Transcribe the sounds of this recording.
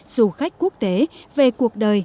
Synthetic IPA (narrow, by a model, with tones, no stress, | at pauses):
zu˨˧˩xa˦˥jk̟̚ku˦˥ək̚t̪e˨˦ve˨˩ku˨˩ək̚ɗəː˨˩j